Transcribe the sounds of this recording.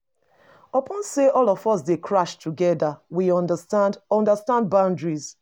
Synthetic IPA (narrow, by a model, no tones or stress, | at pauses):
ɔpʰɔ̃nseʔɔlɔfɔsdekʰɹaʃtʰuɡɛðəwiɔ̃ndəstãndɔ̃ndəstãnd̚bãʊ̃ndɹiz